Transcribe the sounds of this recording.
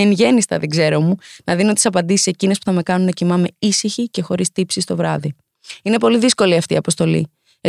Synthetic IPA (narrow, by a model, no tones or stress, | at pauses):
enʝe̞nist̪ɐ̰ðeɡze̞ɾo̞munɐðinot̪isɐpɐnd̪isi̥se̞cine̞spuθɐme̞kɐnunɐcimɐme̞isiçice̞xo̞ɾist̪ipsist̪o̞vɾɐði | ine̞po̞liðisko̞liɐft̪ḭːɐpo̞st̪o̞lḭ | e